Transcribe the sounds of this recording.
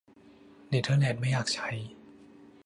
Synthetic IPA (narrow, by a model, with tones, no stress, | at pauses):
li˨˩tʰɤː˧ne˨˩t̪̚ma˥˩jaː˨˩k̚t͡ɕʰa˧˥˩j